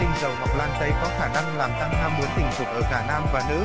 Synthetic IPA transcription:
ï˧˩ŋ̟zə˨˩wha˨˩wk͡p̚laː˧nt͡ɕə˧jkɔ˨˦xaː˧˩na˧ŋlaː˨˩mt̪a˧ŋnaː˧mːu˨˦ənt̪ï˧˩ŋ̟tʰu˨˩ʔəː˧˩kaː˧˩naː˧mvaː˨˩nɨ̰˧˥

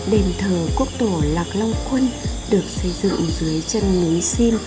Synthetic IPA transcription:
ɗe˨˩nt̪ʰəː˨˩ku˦˥ək̚t̪o˧˩laː˨˩k̚la˧wŋ͡mkwə˧nɗɨ˨˩ək̚sə˧jzɨ̰˧˨ŋzɨ˨˦əjt͡ɕə˧nŋi˨˦si˧m

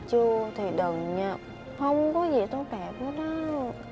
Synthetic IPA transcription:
t͡ɕɨ˧ət̪ʰi˨˩ɗə˨˩ŋɲa˧˩ | hə˧wŋ͡mkɔ˨˦zi˨˩t̪o˧t̪aː˨˩k̚ə˨˦nɔ˨˦

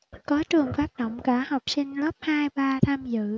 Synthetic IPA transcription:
kɔ˨˦t͡ɕɨ˨˩əŋfaː˦˥k̚ɗə̰˧˨wŋ͡mkaː˧˩ha˨˩wk͡p̚sï˧ŋ̟lə˦˥p̚haː˧jɓaː˧t̪ʰaː˧mzɨ̰˧˨

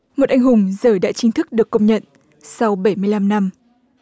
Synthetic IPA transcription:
mo˨˩t̚ʔa˨˩jŋ̟hʊ˨˩ŋ͡mzəː˧˩jɗa̰ː˧˥t͡ɕï˧ŋ̟t̪ʰɨ˦˥k̚ɗɨ˨˩əkːə˧wŋ͡mɲə̰˧˨n | sa˧wɓə˧˩jmɨ˧əjla˧mna˧m

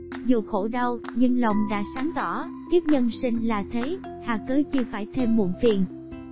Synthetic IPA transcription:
zu˨˩xo˧˩ɗə˧wɲɨ˧ŋlə˨˩wŋ͡mɗa̰ː˧˥saː˨˦ŋt̪ɔ˧˩k̪i˦˥ək̚ɲə˧nsï˧ŋ̟laː˨˩t̪ʰe˨˦j | haː˧˩kəː˨˦t͡ɕɨ˧faː˧˩jt̪ʰe˧mːṵ˧˨ənfi˨˩ən

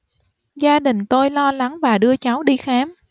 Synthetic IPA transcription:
zaː˧ɗï˨˩ŋ̟t̪o˧jlɔ˧la˨˦ŋvaː˨˩ɗɨ˧ət͡ɕa˨˦wɗi˧xaː˨˦m

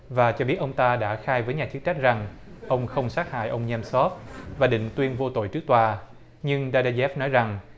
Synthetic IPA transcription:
vaː˨˩t͡ɕɔ˧ɓi˦˥ət̚ʔə˧wŋ͡mt̪aː˧ɗa̰ː˧˥xaː˧jvəː˨˦jɲaː˨˩t͡ɕɨ˦˥t͡ɕa˦˥k̟̚za˨˩ŋ | ʔə˧wŋ͡mxə˧wŋ͡msaː˦˥ha̰ː˧˨jʔə˧wŋ͡mɲɛ˧msɔ˦˥t̚vaː˨˩ɗḭ˧˨ŋ̟t̪wi˧ənvo˧t̪o̰˧˨jt͡ɕɨ˦˥ək̚t̪waː˧˩ | ɲɨ˧ŋɗaː˧ɗaː˧zɛ˦˥f̚nɔ˨˦jza˨˩ŋ

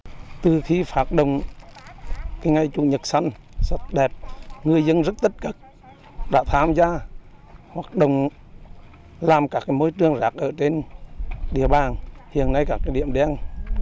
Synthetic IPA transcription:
t̪ɨ˨˩xi˧faː˨˦˥k̚ɗo̰˧˨wŋ͡m | kaː˨˦jŋa˧˩jt͡ɕʊ˧˦ɲə˨˩t̚sa˧jŋ̟swə˦˥t̚ɗɛ˨˩p̚ŋɨ˨˩əjzə˧nzə˦˥t̚t̪i˦˥t̚kə˦˩k̚ | ɗa̰ː˧˥t̪ʰaː˧mzaː˧ | hwaː˨˩k̚ɗo̰˧˨wŋ͡m | laː˨˩mkaː˦˥kːaː˨˦jmo˧jt͡ɕɨ˧˩əŋzaː˨˦˥k̚ʔəː˧˩t͡ɕe˧n | ɗḭ˧˨əɓaː˨˩nhḭ˧˨ənːa˧jkaː˦˥k̚ːaː˨˦jɗḭ˧˨əmɗɛ˧n

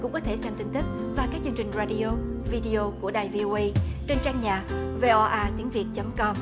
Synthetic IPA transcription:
kʊ̰˧˥ŋ͡mkɔ˨˦t̪ʰe˧˩sɛ˧mt̪ï˧ŋ̟t̪i˦˥k̚vaː˨˩kaː˦˥k̚t͡ɕɨ˧əŋt͡ɕï˨˩ŋ̟zaː˧ɗi˧ʔo˧vi˧ɗi˧ʔo˧ku˧˩əɗaː˨˩jvi˧ʔo˧ʔə˧jt͡ɕe˧nt͡ɕaː˧ŋɲaː˨˩ve˧ʔɔ˧ʔaː˧t̪i˨˦əŋvi˨˩ət̚t͡ɕə˨˦mkɔ˧m

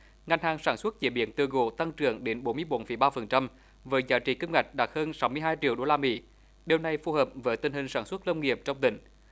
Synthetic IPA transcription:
ŋa˨˩jŋ̟haː˨˩ŋsaː˧˩nswə˦˥t̚t͡ɕḭ˧˩ɓḭ˧˨ənt̪ɨ˧˩əɣo̰˧˨˦t̪a˧ŋt͡ɕɨ˧˩əŋɗe˨˦nɓo˨˦nmɨ˧əjɓo˨˦nfi˧˩˦jɓaː˧fə˨˩nt͡ɕa˧m | vəː˨˦jzaː˨˦jt͡ɕḭ˧˩ki˧ŋ͡mŋa˨˩jk̟̚ɗa˨˩t̚həː˧nsa˨˦wmɨ˧əjɦaː˧jt͡ɕḭ˧˨əwɗo˧laː˧mḭ˧˥˦ | ɗe˨˩wna˨˩jfu˧həː˨˩p̚vəː˨˦jt̪ï˧ŋ̟hï˨˩ŋ̟saː˧˩nswt̚lə˧wŋ͡mŋi˨˩əp̚t͡ɕɔ˧wŋ͡mt̪ï˧˩ŋ̟

